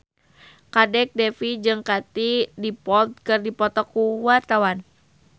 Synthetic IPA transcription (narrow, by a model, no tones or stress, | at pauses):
kadɛk̚dɛfid͡ʒɨŋkat̪idipɔlt̪̚kɨrdipɔt̪ɔkuwart̪awan